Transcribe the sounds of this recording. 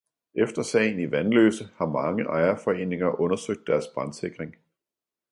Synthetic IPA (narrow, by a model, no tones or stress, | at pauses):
ʔefd̥ɐsɛ̰ɪniʋænlø̰ːsəhɑ̈mɑ̈ŋəʔɑ̈ɪɐfɒ̽e̝̰ːne̝ŋɐʔɔ̽nɐsøɡ̥̚d̥ːæɐsb̥ʁɑ̈nse̝ɡ̥ʁeŋ